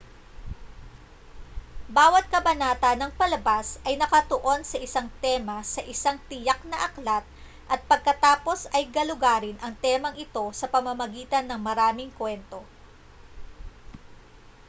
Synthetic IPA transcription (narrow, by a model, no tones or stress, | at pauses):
baːwɐt̪̚kɐbɐnaːt̪ɐnɐŋpɐlɐbasʔɐjnɐkɐt̪oʔo̞nsɐʔɪsaŋt̪ɛːmɐsɐʔɪsaŋt̪ɪjɐk̚nɐʔɐklat̪̚ | ʔɐt̪̚pɐɡ̚kɐt̪aːpo̞sɐjɡɐlʊɡaːɾɪnʔɐŋt̪ɛmɐŋʔɪt̪o̞sɐpɐmɐmɐɡiːt̪ɐnːɐŋmɐɾaːmɪŋkwɛnt̪o̞